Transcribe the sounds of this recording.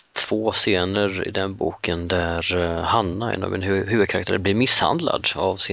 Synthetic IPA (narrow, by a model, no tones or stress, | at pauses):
t̪ʰv̥oːseːnəɾɪ̰d̪ɛnbṵːkənd̪æɾhanːaɛ̰nɑ̰vɛnhʉvəd̪̚kʰaɾakt̪ʰæːɾblɪɾmɪsha̰nd̪la̰d̪avsɪ